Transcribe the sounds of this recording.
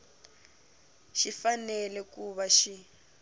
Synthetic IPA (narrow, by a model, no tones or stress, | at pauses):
ʃifanɛlɛkuβaʃi